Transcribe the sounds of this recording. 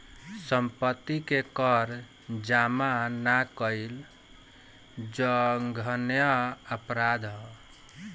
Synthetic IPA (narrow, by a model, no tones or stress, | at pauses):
səmpət̪ːikekəɾ | d͡ʒamanakəil | d͡ʒəŋɡʱənjəəpɾad̪ʱɦɔ